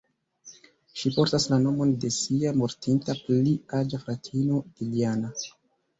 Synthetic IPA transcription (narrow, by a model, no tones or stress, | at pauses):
ʃipo̞ɾtaslano̞mo̞nde̞siamo̞ɾtintapliad͡ʒaflatʰino̞ɡ̥iliana